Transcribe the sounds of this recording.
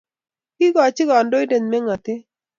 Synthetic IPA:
kɪ˦ɡɔ˨t͡ʃɪ˦ɡɔ˨ndo˦jde˨nmɛ˦ŋa˨t̪ɪ˦

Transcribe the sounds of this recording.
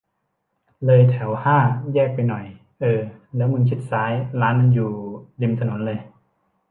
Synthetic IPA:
lɤː˧jt̪ʰɛ˩˦whaː˥˩jɛː˥˩k̚pa˧jnɔ˨˩j | ʔɤː˧lɛː˦˥wŋu˧nkʰi˦˥t̪̚saː˦˥jlaː˦˥nːa˧njuː˨˩li˧mt̪ʰa˧no˩˦nlɤː˧j

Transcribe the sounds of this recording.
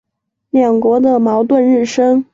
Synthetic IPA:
mjɑ˨˩ŋkwɔ˧˥d̪ə˧mɑ˧˥ʊt̪̬wə˥˧nɻɻ̩˥˩ʂɤ˥ŋ

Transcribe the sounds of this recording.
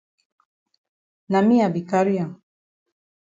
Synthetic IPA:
na˨mi˦a˨bi˨ka˦ɾi˦a˨

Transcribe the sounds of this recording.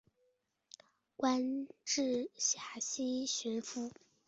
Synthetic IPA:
kwa˥nʈ͡ʂɻ̩˥˩ɕja˨˩ɕi˥ɕy˧˥nfu˥

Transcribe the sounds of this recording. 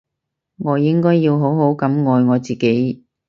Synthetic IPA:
ŋɔː˨˧jɪ˥ŋkɔː˥jːiː˧wɦo˨˥wɦo˨˥wkɐ˨˥mŋɔː˨jŋɔː˨˧t͡siː˨ke˨˥j

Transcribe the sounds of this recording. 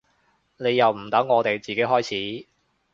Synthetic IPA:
ne˨˧jɐ˨wm̩˨˩t̪ɐ˨˥ŋːɔː˨˧t̪e˨jt͡siː˨ke˨˥jɦɔː˥jt͡sʰiː˨˥

